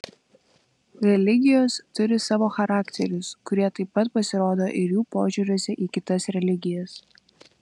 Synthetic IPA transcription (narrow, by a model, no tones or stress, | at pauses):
ɾʲɛlʲɪɡʲɪjoːst̪ʊɾʲɪsɑːʋoːxɐɾɑːkt̪ʲɛɾʲʊskʊɾʲiɛt̪ɐɪpːɐt̪pɐsʲɪɾoːd̪oːʔɪɾjuːpoːʒʲuɾʲoɔsʲɛʔiːkʲɪt̪ɐsɾʲɛlʲɪɡʲɪjɛs